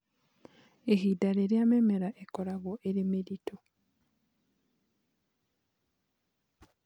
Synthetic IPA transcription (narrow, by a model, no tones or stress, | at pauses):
ehidaɾeɾeamemeɾaʔekɔɾaɣoʔeɾemeɾitʰo